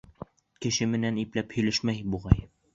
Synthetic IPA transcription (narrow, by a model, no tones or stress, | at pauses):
kɘ̆ʃɘmɘ̆næniplæphɵ̆jlɘʃmæjbuʁɑj